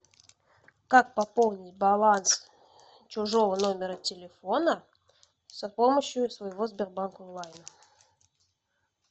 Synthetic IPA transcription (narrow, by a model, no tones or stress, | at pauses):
kak̚pɐpolˠnʲɪtʲbalˠans | t͡ɕʊʐo̞vənomʲɪɾətʲɪlʲefo̞nə | səpoməɕjusvɐjɪvozbʲerbankonlˠajnə